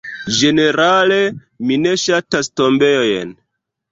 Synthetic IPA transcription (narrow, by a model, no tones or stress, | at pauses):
d͡ʒe̞ne̞ɾale̞ | mine̞ʃatasto̞mbejoj̰n